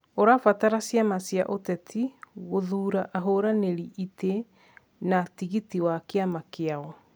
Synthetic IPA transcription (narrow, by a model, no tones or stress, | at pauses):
oɾafataɾasjamasja̰ʔotɛtʰiɣoðuːɾaʔaɦoɾaneɾiʔite | natiɣitiwakeamakeaɣɔ